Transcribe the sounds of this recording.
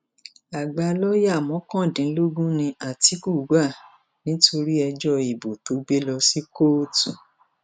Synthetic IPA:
a˨ɡ͡ba˧lɔ˦ja˦˨mɔ̃˨˦kɔ̃˦˨dĩ˨˦lo˦ɡũ˦nĩ˧a˨ti˨˦ku˦˨˦ɡ͡ba˦˨ | nĩ˨˦to˧ɾi˦ɛ˧d͡ʒɔ˦i˨bo˨to˨˦ɡ͡be˦lɔ˧si˦ko˦tṵ̃˨

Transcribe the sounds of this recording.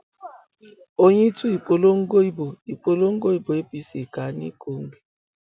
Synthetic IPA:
o˦ɲe˦i˦tu˦i˨po˨lo˦ŋ̩˦ɡo˦i˦bo˨i˨po˨lo˦ŋ̩˦ɡo˦i˦bo˨e˦pi˦si˨ka˨˦nḭ˦ko˦ŋ̩˦ɡ͡bi˦

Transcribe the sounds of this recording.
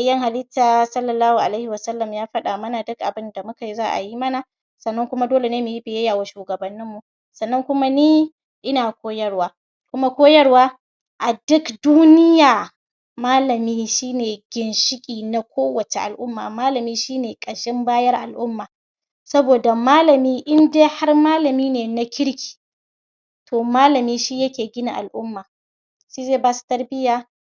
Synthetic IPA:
a˨jɐ˦ŋha˨lɪ˦taː˨sɐ˦lːɐ˨lːaː˦hu˨ʔa˨la˦hɪ˨wɐ˨sɐ˦lːɐ˨mjaː˦ɸɐ˦ɗaː˨mɐ˦na˨dʊ˦kʔa˨bɪ˦nda˨mʊ˦ka˨jzaː˦ʔa̰˨ji˦mɐ˦na˨ | sɐ˨nːɐ˦ŋkʷʊ˦ma˦doː˦le˨neː˦mu˨ji˦bɪ˨jɐ˦jaː˨waː˨ʃuː˨ɡɐ˨bɐ˨nːɪ˦mːu˨ | sɐ˨nːɐ˦ŋkʷʊ˦ma˦niː˦ | ʔɪ˦naː˨kʷoː˦jɐ˦rwaː˦ | kʷʊ˦ma˦kʷoː˦jɐ˦rwaː˦ | ʔa˨dʊ˦kduː˦nɪ˦jaː˨ | maː˦lɐ˨miː˦ʃiː˦neː˨ɡʲɪ˨nʃɪ˦kʲʼiː˨na˦kʷoː˦wɐ˨t͡ʃe˨ʔa̰˨lʔʊ˦mːa̰ː˨maː˦lɐ˨miː˦ʃiː˦neː˨kʼɐ˨ʃɪ˦mbaː˦jɐ˦rʔa̰˨lʔʊ˦mːaː˨ | sɐ˦boː˨da˨maː˦lɐ˨miː˦ʔɪ˦ndeː˦ha˦rmaː˦lɐ˨miː˦neː˨na˨kʲɪ˦ɽkʲi̥ː˨ | tʰoː˨maː˦lɐ˨miː˦ʃi˦jɐ˦kʲeː˨ɡʲɪ˦na̰˨ʔa̰˨lʔʊ˦mːaː˨ | ʃiː˦zeː˦˨baː˦su̥˨tɐ˦rbɪ˦jaː˨

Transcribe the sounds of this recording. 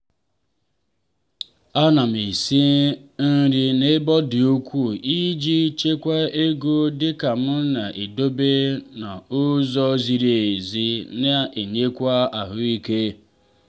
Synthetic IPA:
a˦na˨m̩˨i˨si˦n̩˦ɾi˦ne˦bɔ˦dɪ˨o˦kʷu˦˨i˦d͡ʒi˦t͡ʃe˦kʷa˦e˦ɡo˦dɪ˦ka˨mʊ˦na˨ʔe˨do˦be˦na˨ʊ˦zɔ˦zi˨ɾe˨e˨zi˦ne˦e˨ɲe˦kʷa˦a˨ɦʊ˦i˦ke˦

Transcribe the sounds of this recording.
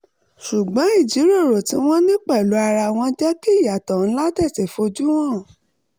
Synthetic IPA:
ʃu˨ɡ͡bɔ̃˨˦i˦˨d͡ʒi˨˦ɾe˦˨ɾo˨tĩ˧˦w̃ɔ̃˦nĩ˦k͡pɛ˦˨lo˨˦a˧ɾa˧w̃ɔ̃˧d͡ʒɛ˦ki˦˨ja˨tɔ̃˨n̩˦la˦tɛ˦˨ti˨fo˧d͡ʒu˦w̃ɔ̃˦˨

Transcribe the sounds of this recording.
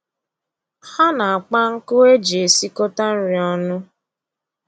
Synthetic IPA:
ha˦na˨a˨k͡pa˦ŋ̩˦kʊ˦e˦d͡ʒe˨si˦ko˦ta˦n̩˦ɾɪ˨ɔ˦nʊ˦

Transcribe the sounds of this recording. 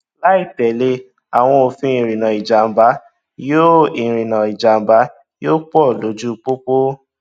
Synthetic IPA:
la˦i˦˨tɛ˨le˧˦ | a˨w̃ɔ̃˧o˧fĩ˧˦ĩ˨ɾ̃ĩ˨nã˨i˨d͡ʒa˨ba˨˦ | jo˦i˨ɾĩ˨nã˨i˨d͡ʒa˨m̩˨ba˨˦ | joː˦k͡pɔ˦˨lo˨˦d͡ʒu˦˧k͡po˦k͡po˦

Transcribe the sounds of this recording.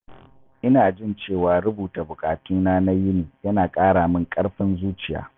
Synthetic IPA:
ʔɪ˦naː˨d͡ʒɪ˦nt͡ʃeː˦˨waː˨ɽʊ˦buː˨ta˨bʊ˨kʼaː˨tuː˦naː˦na˦jɪ˦niː˨jɐ˦naː˨kʼaː˦ɽaː˨mɪ˦ŋkʼɐ˦ɽɸɪ˦nzuː˦t͡ʃɪ˨ja̰ː˦

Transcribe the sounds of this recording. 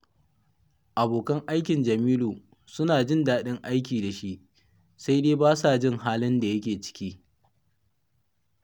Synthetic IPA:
ʔa˨boː˨kɐ˦ŋʔa˦jkʲɪ˨nd͡ʒɐ˨miː˦luː˨ | sʊ˦naː˨d͡ʒɪ˦ndaː˦ɗɪ˦ŋʔa˦jk̬ʲiː˨da˨ʃi˦ʔ | sa˦jdeː˦baː˦sa˨d͡ʒɪ˦ŋhaː˦lɪ˦nda˨jɐ˦k̬ʲeː˨t͡ʃɪ̥˦kʲiː˦

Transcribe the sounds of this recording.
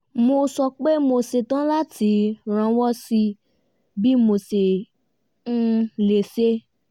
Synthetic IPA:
mo˧sɔ˧k͡pe˦mo˧se˨tã˦la˦tʰi˨˦ɾ̃ã˧˦wɔ˦si˧ | bi˦mo˧se˨ | n̩˦le˨se˦

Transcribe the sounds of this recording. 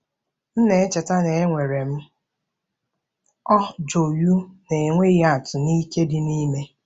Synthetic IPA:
n̩˦ne˨e˦t͡ʃe˨ta˦ne˨e˦ŋʷe˨ɾe˨m̩˦ | ɔ˦d͡ʒo˨ju˦ne˨ŋʷe˦i˦a˨tʊ˨ni˦ke˦dɪ˨ni˦me˦

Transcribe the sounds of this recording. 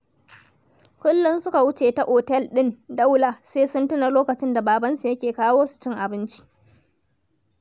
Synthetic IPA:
kʷʊ˦lːʊ˦nsʊ˦ka˨wʊ˦t͡ʃeː˨ta˨ʔoː˨tɛ˦lɗɪ˦nda˦wla˨seː˦sʊ˦ntʊ˦na˨loː˦kɐ˨t͡ʃɪ˦nda˨baː˨bɐ˦nsu˨jɐ˦kʲeː˨kaː˦woː˦su̥˨t͡ʃɪ˦ŋʔa˨bɪ˦nt͡ʃi̥˦ʔ

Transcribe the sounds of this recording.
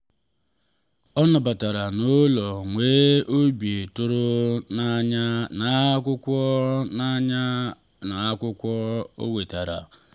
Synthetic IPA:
ɔ˦nɔ˨ba˨ta˨ɾa˨no˦lɔ˨ŋʷeː˦o˦bi˨tʊ˦ɾʊ˦ | ɲ˦na˨˦kʷʊ˦kʷɔ˦na˦ɲa˦ | na˨a˦kʷʊ˦kʷɔ˦o̰˦we˨ta˨ɾa̰˨

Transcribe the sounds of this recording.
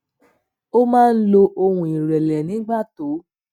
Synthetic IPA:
o˦mãː˦˧n̩˦lo˧ʔo˧hũ˨i˨ɾɛ˨lɛ˨nĩ˨˦ɡ͡ba˦˨to˨˦

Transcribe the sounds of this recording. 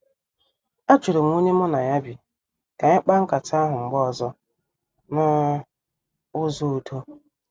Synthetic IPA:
a˦t͡ʃu˨ɾo˨m̩˦u˦ne˦mɔ˦na˨ja˦bi˨ | ka˨ɲa˦k͡pa˦ŋ̩˦ka˨ta˦ɦʊ˨ŋ͡m̩˨ɡ͡bɔ˦˨zɔ˦ | na˦ | ʊ˦zo˦u˨tʰo˦

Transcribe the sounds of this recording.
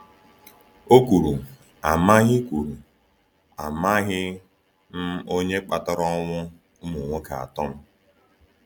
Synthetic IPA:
o˦kʷu˨ɾu˨ | a˨ma˦ɣɪ˦kʷu˨ɾu˨ | a˨ma˦ɣɪ˦ | n̩˦o˦ɲe˦k͡pa˨tɔ˦ɾɔ˦ŋʷʊ˦ | mu˨ŋʷo˦ka̰˨a̰˨tɔ˦m̩˦

